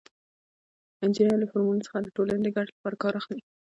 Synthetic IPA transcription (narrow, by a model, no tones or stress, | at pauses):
ɪnd͡ʒinaɾlafoɾmulosə̥xad̪əʈolaned̪əɡaʈelapɑɾakɑɾaxli